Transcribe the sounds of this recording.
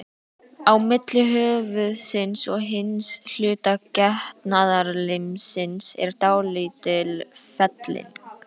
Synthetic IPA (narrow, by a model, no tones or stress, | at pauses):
awmɪt̪lɪʏɦœːvʏðsɪnsɔɣɦɪnsl̥ʏːt̪acɛht̪naðaɾlɪmsɪnsɛ̰ɾ̥t̪aːwliːt̪ɪlfɛt̪lɪ̰n